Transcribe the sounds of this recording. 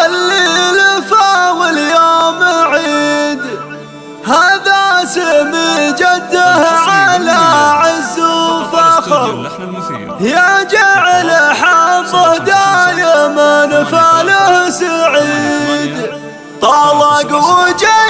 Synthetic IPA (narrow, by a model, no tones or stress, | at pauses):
alːilfawɪljoːmaʕid̪ | haːðasɪmid͡ʒad̪ːahʕalaʕɪzːufaxɑɾ | hjad͡ʒaʕlaħabʊhd̪ajamanfalahsaʕid̪ | t̪ˤɑːwɑɡwʊd͡ʒa